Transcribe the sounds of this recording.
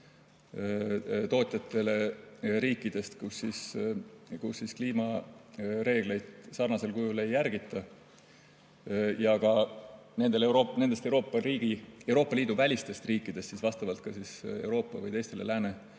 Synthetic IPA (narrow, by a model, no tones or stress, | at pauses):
t̪o̞ːt̪ʲˑjɑt̪ːˑe̞le̞ɾiːkːˑid̪̥e̞st̪kusːis | kusːiskliːmɑ | ɾe̞ːɡ̥le̞jd̪̥sɑrnɑse̞lkujule̞jːæɾɡ̥it̪ːˑɑ | jɑkɑne̞nd̪̥e̞leuɾone̞nd̪est̪ewɾo̞ːpːɑɾiːɡ̥ie̞wɾoːpːˑɑliːd̪̥uvælʲist̪e̞st̪riːkˑːid̪̥e̞st̪sisvɑst̪ɑvɑlt̪̚kɑsise̞wɾo̞ːpːˑɑvɯ̰jt̪e̞jst̪e̞le̞̰læːne